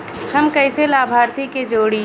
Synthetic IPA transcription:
həmkəɪselaːbʱaːɾt̪iked͡ʒoːɽi

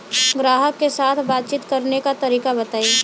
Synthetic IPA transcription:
ɡɾaːɦəkːesaːt̪ʰbaːt̪̚t͡ʃiːt̪kɐɾnekat̪ɐɾiːkabɐt̪aːi

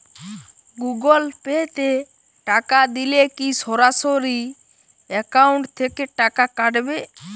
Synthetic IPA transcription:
ɡuɡɔlpɛt̪e | ʈakad̪ilekisɔɾasɔɾi | ɛkawɳʈt̪ʰɛkeʈakakaɖbe

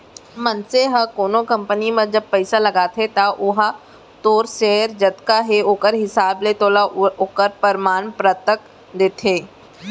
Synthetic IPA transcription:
mɐnseɦəkoːnokɐ̃mpənimɐ̃d͡ʒɐb̚pɐɪsalɐɡaːt̪ʰet̪aʔʊɦa | t̪oːɾʃeːəɾd͡ʒɐt̪kaɦeoːkəɾɦɪsaːblet̪oːlaoːkəɾpəɾmaːnpɾət̪ək | d̪eːt̪ʰeː

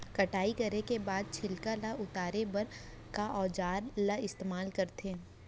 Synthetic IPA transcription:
kɐʈaːikɐɾekebaːd̪̚t͡ʃʰɪlkalaʔʊt̪aːɾebɐɾ | kaʔɔːd͡ʒaːɾlaɪst̪eːmaːlkɐɾt̪eː

